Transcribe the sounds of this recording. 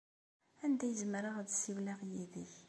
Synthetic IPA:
ænd̪æjəzəmɾaʁd̪siwlaʁjiðiç

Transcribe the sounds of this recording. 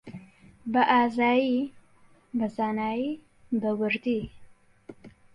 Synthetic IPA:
bəʔazɑji | bəzanaji | bəwəɾd̪i

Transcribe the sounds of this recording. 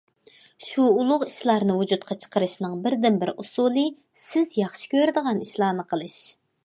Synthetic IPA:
ʃuːlˠʊʁiʃlˠɑɾnɨvud͡ʒut̪̚qʰɑt͡ʃʰə̥qəɾɨʃnɨŋbɪɾd̪ɪnbɪɾusulˠɨ | sɪzjɑχʃi̥kʲʰøɾd̪əʁɑniʃlˠɑːnɨqʰəlˠɨʃ

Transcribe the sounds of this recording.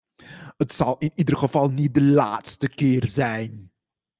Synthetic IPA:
ɦətsɑlˠɪnidərχəvɑlˠnit̚dəlaːtstəkɪːrzɛjn

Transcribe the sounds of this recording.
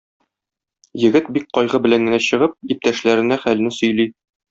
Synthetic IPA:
jɘ̆ɡɘt̪̚bik̚qɒjʁɤbɘ̆læŋɡɘ̆næɕɤ̆ʁɤp̚ip̚t̪æʃlæɾɘ̆næχæl̆nɘsɵ̆jli

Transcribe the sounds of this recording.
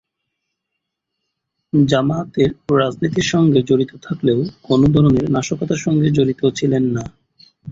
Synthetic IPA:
d͡ʑamat̪eɾɾad͡ʑnit̪̬iɾʃɔŋɡed͡ʑoɾit̪ot̪ʰakleokonod̪ʱɔɾoneɾnaʃokot̪aɾʃɔŋɡed͡ʑoɾit̪ot͡ɕʰilenːa

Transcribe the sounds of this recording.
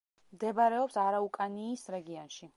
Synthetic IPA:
md̪ɛbaɾɛɔpsaɾaukʼaniːsɾɛɡiɔnʃi

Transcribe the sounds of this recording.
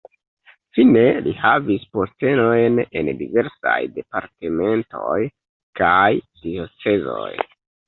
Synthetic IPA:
fine̞lihavispo̞ste̞no̞jne̞̰ndive̞ɾsa̰jde̞paɾte̞me̞nto̞j | kajd̥iot͡se̞zo̞̰j

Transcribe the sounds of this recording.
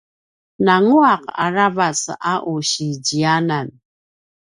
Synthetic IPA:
naŋuaqaɾavasaʔuɕiɟianan

